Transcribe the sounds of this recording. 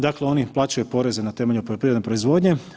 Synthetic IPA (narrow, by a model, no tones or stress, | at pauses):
d̪akleo̞niplaːt͡ɕajupo̞ɾe̞zenat̪e̞ːmeʎupoʎopɾid̪nepɾo̞izʋo̞d̪ɲe̞